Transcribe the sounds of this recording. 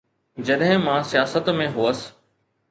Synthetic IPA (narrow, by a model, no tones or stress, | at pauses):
d͡ʑɐɗɦɪ̃mãsijaːsət̪mẽɦuːəs